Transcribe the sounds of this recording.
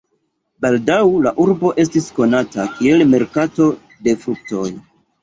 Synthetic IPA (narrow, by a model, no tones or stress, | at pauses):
baldawlaʔuɾbo̞ʔe̞stisko̞natakielme̞ɾkato̞ | de̞fɾuk̚to̞j